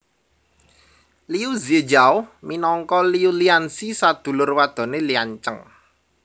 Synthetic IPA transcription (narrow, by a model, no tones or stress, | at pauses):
liuzed͡ʒawminɔŋkɔliuliansisad̪̥ṳlʊrwad̪̥ɔ̤neliaɲt͡ʃəŋ